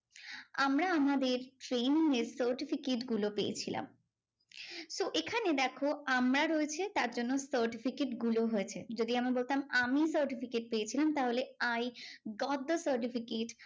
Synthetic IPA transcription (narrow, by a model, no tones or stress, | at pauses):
amɾaamad̪eɾʈɾeniŋeɾsəɾʈifʰikeʈɡulopejet͡ɕʰila̰m | soʔekʰaned̪ɛkʰoamɾaɾoet͡ɕʰet̪aɾd͡ʑonːosəɾʈifʰikeʈɡuloɦoet͡ɕʰed͡ʑod̪iamibolt̪amamisəɾʈifikeʈ̚pejet͡ɕʰilamt̪aɦoleajɡɔt̪̚d̪əsəɾʈifikeʈ